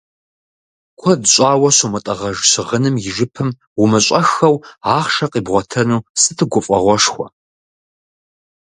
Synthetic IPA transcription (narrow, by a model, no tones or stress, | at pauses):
kʷʰɔdɕʼaːwɐɕumɨtʼɐʁɐʒɕɪʁənɨmjɪʒɨpʰɨm | wʊmɨɕʷʼɐxɐwaːχʂɐqiːbʁʷɔtʰɐnuːsɨtʰɨɡʷʊfʼɐʁʷɔʂxʷɔ